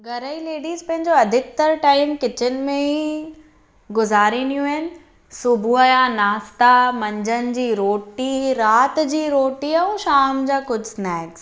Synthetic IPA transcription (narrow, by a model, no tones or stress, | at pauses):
ɡʱɐɾəileːɖiːzpɐ̃ɦɪ̃ɲd͡ʑoɐd̪ʱɪk̚t̪ɐɾʈaːɪmkɪt͡ɕɪnɪ̆mẽi | ɡʊzaːɾinijũɪnɪ̆ | sʊbʱuəjanaːst̪amɐ̃ɲd͡ʑənɪ̆d͡ʑiːɾoːʈiɾaːt̪d͡ʑiːɾoːʈiɐũʃaːmd͡ʑaːkʊd͡ʑʱsnɛːks